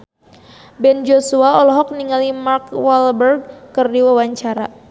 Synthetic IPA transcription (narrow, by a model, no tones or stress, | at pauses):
bɛnd͡ʒosuaɔlɔɦɔk̚niŋalimarkwalbərɡ̚kərdiwawaɲt͡ʃaɾa̰